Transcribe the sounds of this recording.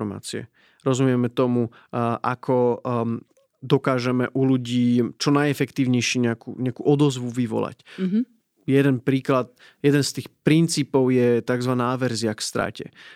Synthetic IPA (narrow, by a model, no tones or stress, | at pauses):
ma̰ːt͡siɛ̰ | ɾɔzumɪɛmɛt̪ɔmu | ʔakʰɔ | d̪ɔkaːʒɛmɛʔuluɟiːt͡ʃɔnajɛfɛkt̪iːʊɲɛjʃiɲɛakṵɲɛakuʔɔd̪ɔzʋuʋiʋɔ̰la̰c | jɛd̪ɛnpɾiːklat̪̚ | jɛd̪ɛnst̪iːxpɾint͡siːpɔʊjɛt̪aɡzʋanaaʋɛɾziakst̪ɾa̰ːcɛ̰